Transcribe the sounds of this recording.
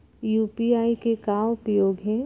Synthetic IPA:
juːpiaːikekaːʋʊpɾəjoːɡɦɛ̃

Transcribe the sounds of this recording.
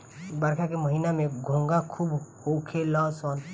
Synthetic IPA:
bəɾkʰakeməɦiːnamẽɡʱõːŋɡakʰuːbhokʰelãsɔːn

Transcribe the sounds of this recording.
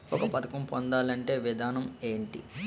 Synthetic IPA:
ɔkɐpɐt̪ɐkɐmpond̪aːlɐɳʈe̞ːʋid̪ʱaːnɐme̞ːɳʈḭ

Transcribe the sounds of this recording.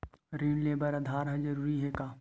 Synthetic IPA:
ɾiːnleːbəɾɐd̪ʱaːɾɦɛd͡ʒɐɾuːɾiɦɛkaː

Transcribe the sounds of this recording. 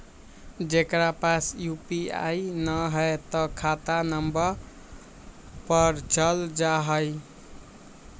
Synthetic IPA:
d͡ʒekɾapasjupia̰jnʌɦʌet̪ʌkʰat̪anʌmbʌɾ | pʌɾt͡ʃʌld͡ʒaɦʌj

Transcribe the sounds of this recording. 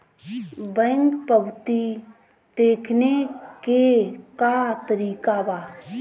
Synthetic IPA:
bɛ̃ŋkpəbt̪i | d̪̥eːkʰnekekat̪əɾiːkabaː

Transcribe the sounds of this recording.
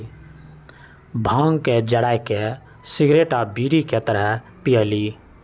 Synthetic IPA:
bʱãːŋɡked͡ʒəɽaːjke | sɪɡɾeːʈabiːɾiket̪əɾəɦ | pijəliː

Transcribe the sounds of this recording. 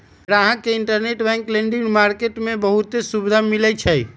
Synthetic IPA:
ɾaaɦãkeiɳʈəɾneʈbɛ̃ŋkleɳɖinmaɾkeʈmebəɦut̪esubid̪ʱamilɛt͡ʃʰəj

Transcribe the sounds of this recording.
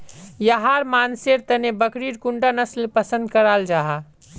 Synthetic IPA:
jaɦaɾmaːnseɾt̪ənebəkɾiɾkuɳɖanəslpəsə̃nd̪̚kəɾald͡ʒaɦa

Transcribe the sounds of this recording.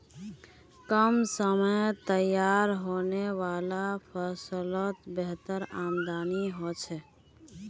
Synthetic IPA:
kəmsəməjt̪əjaɾɦoneʋalapʰəsələt̪beɦt̪əɾamd̪aniɦot͡ʃʰɛ

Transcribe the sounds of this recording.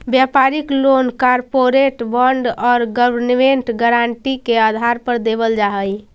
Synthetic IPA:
bjapaɾiklonkaɾpoɾeʈbəɳɖɔːɾɡəbəɾnmeɳʈɡəɾaɳʈikead̪ʱaɾpəɾd̪eβəld͡ʒaɦəj

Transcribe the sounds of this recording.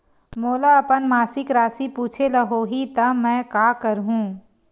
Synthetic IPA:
moːlaɐpənmaːsɪkɾaːsipuːt͡ʃʰelɐɦoɦit̪ɐmɛ̃ːkaːkɐɾɦũː

